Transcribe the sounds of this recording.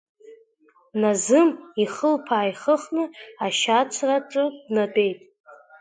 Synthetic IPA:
nazɨmiχəlpʰaːjχəχnɨaʃat͡sʷʰraʈ͡ʂʼɨdnatʼe̞jtʼ

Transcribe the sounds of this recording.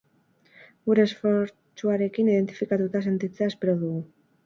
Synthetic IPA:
ɡuɾe̞sfo̞ɾ | t͡ʃuaɾe̞kiniðe̞nt̪i̥fikat̪ut̪ase̞nt̪it͡seae̞spe̞ɾoðuɣu

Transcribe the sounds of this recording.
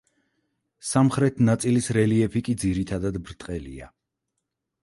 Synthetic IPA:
samχɾɛt̪ʰnat̪sʼilisɾɛliɛpʰikʼid̪ziɾit̪ʰad̪ad̪bɾt̪ʼqʼɛlḭa̰

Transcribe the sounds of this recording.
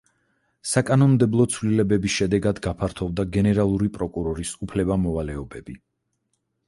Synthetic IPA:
sakʼanɔnmd̪ɛblˠɔt̪sʰvlilɛbɛbisʃɛd̪ɛɡad̪ɡapʰaɾt̪ʰɔvd̪aɡɛnɛɾalˠuɾipʼɾɔkʼuɾɔɾisupʰlɛbamɔvalɛɔbɛb̥i

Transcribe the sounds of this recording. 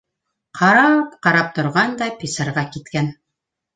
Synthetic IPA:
qʰɑɾɑpqɑɾɑp̚t̪ŏɾʁɑnd̪ɑpʲisɑɾʁɑkit̪kæn

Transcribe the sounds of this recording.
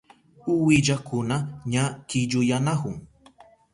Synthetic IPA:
ʊwɪʎakʊnaɲakɪʎʊjanahʊŋ

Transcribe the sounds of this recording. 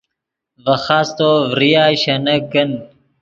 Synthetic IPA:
vɐxaːst̪oːvɾijaːɕɐnɐk̚ɡɐn

